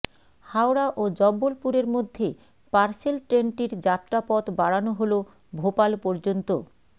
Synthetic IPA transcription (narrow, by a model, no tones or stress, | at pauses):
hawɾaʔod͡ʑɔbːolpuɾeɾmod̪ʱːe | paɾselʈɾeɳʈiɾd͡ʑat̪ːɾapɔt̪baɽanoɦolo | bʱopalpɔɾd͡ʑont̪o